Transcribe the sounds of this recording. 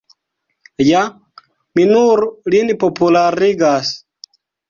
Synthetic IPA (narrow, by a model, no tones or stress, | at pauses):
ja | minuɾlinpopulaɾiɡas